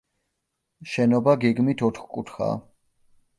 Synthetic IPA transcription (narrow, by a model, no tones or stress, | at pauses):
ʃɛnɔbaɡɛɡmit̪ʰɔt̪ʰχkʼut̪ʰχa̰